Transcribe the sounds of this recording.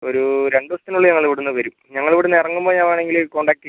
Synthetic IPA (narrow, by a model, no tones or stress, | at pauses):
o̞ɾuɾe̞ɳɖɨʋɐst̪ːinuɭːɨɲɐŋːɐɭiʋiɽunːɨʋɐɾumɲɐŋːɐɭiʋiɽenirɐŋːumboːɲaːmaːɳe̞ŋɡilko̞ːɳɖaːk̚ʈːi